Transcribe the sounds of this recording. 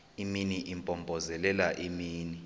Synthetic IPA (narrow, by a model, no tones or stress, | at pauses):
iminiʔimpʼɔmbʱʼɔzɛlɛlaʔimiːni